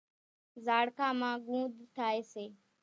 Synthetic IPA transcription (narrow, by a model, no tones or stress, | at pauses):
zaːɽkãːmãːɡũːd̪t̪ʰaːeːseː